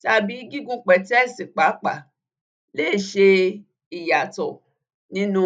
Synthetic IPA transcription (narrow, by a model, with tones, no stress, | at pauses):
ta˦˧bi˨˦ɡi˦ɡũ˧k͡pɛ˨tɛ˦˨si˨k͡pa˨˦k͡pa˨ | leː˦˨ʃe˧ | i˨ja˨tɔ˨ | nĩ˦nũ˦